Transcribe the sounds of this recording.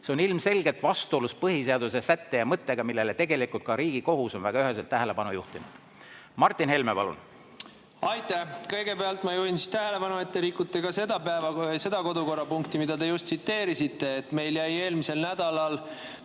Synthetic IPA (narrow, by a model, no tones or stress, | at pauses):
se̞o̞nilmse̞lɡ̥et̪vɑst̪uoluspɤɦiseɑd̪use̞sæt̪ːe̞jɑmɤt̪ːˑe̞ɡ̥ɑmilːe̞let̪e̞ɡe̞likult̪̚kɑɾiːɡ̥iko̞ɦuso̞nvæ̰ɡɑyɦes̬elt̪ːæɦele̞pɑnujuht̪inud̪̥ | mɑrt̪ːˑinhe̞lme̞pɑ̰lṵn | ɑjt̪ːˑækɤjɡe̞beɑlt̪mɑjuhinsi̥st̪æɦelepɑnuet̪ːeɾikːut̪ːˑeɡɑse̞d̪̥ɑpæevɑse̞d̪̥ɑko̞d̪uko̞rɑpuŋkt̪imid̪ɑd̪e̞just̪sit̪ːe̞ːɾisit̪ːe̞ːt̪me̞jljæje̞ːlmise̞lnæd̪̥ɑlɑl